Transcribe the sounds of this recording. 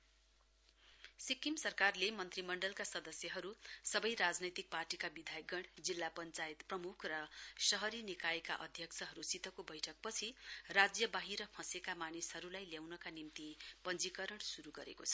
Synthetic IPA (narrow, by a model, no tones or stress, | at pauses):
sikimsʌrkarlemʌnt̪rimʌɳɖʌlkasʌd̪ʌsjʌɦʌɾusʌbʌjɾad͡znʌjt̪ik̚parʈikabid̪ʱajɡʌɽd͡zilːapʌnt͡sajt̪prʌmukʰrʌsʌɦʌɾinikaeka̰ʔʌd̪ʱjʌkt͡sʰʌɦʌɾusit̪ʌkobʌjʈʰʌk̚pʌt͡sʰirad͡zjʌbaɦiɾʌpʰʌ̃sekamanishʌɾulajljawnʌkanimt̪ipʌnd͡zikʌɾʌɽ̃suɾuɡʌɾḛkot͡sʰʌ̥